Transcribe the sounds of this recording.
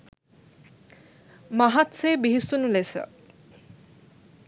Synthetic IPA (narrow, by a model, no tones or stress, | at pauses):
maɦat̪sebiɦisunulesə̰